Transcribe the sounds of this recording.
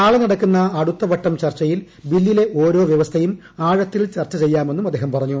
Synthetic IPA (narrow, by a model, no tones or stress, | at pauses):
aːɭɐnɐɽɐkːunːɐːɽut̪ːɐʋɐʈːɐmt͡ɕɐrt͡ɕːɐjil | bilːile̞ʔo̞ːɾo̞ːʋjɐʋɐst̪ʰɐjum | aːɻɐt̪ːilt͡ɕɐrt͡ɕːɐt͡ɕe̞jːaːme̞nːumɐd̪ːeːhɐmpɐrɐɲːu